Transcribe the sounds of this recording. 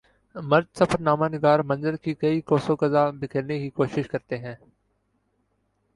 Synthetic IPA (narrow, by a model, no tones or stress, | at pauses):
mɐɾd̪sɐfəɾnaːmanɪɡaːɾmɐ̃nzəɾkikɐikoːsokɐzabɪkʰəɾnekikoːʃɪʃkɐɾt̪eɦɛ̃ː